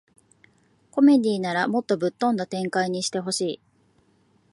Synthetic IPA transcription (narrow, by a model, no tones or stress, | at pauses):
ko̞me̞d̪ʲiːnaɾamo̞t̪ːo̞bɯ̟t̪ːõ̞nd̪at̪ẽ̞ŋkaiɲ̟iɕi̥t̪e̞ɦo̞ɕiː